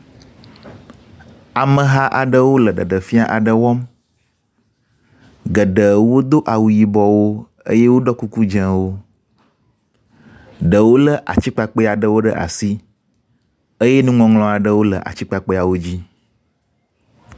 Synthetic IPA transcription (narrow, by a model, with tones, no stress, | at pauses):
a˨mə̃˨ɦa˦ʔa˨ɖə˦wo˦lə˨ɖə˨ɖə˨fi˦a˦ʔa˨ɖə˨wɔ˦m | ɡə˨ɖə˨wo˦d̪o˦ʔa˨wu˨ji˨bɔ˨wo˦ | ə̰˦je˦wo˦ɖɔ˦ku˦ku˦d͡ʒə̃˦wo˦ | ɖə˨wo˦lə˦ʔa̰˨t͡ɕi˦k͡pa˨k͡pə˦a˨ɖə˦wo˦ɖə˦ʔa̰˨si˦ | ə˦je˦nũ˦ŋɔ̃˨ŋlɔ̃˨a˨ɖə˦wo˦lə̰˨ʔa̰˨t͡ɕi˦k͡pa˨k͡pe˦a˨wo˦d͡ʑi˦